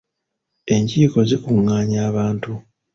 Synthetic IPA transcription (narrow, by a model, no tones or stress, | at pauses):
e̞ɲciːko̞zekuŋːaːɲaːβaːntu